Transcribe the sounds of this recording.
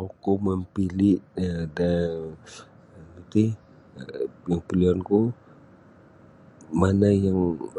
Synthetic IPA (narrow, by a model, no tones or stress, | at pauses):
okoməmpilɪʔəda | ɡit̪i | jaŋpilianku | manajaŋ